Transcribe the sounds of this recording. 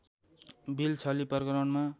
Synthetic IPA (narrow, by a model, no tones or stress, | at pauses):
bilt͡sʰʌlipʌrkʌɾʌnma